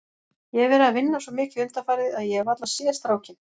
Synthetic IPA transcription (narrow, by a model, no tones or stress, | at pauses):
jɛɛɾvɛːɾɪavɪnːasɔmɪːcɪʏmt̪afaːjɾðɪaðjɛvat̪lasjɛːst̪ɾaːwcɪn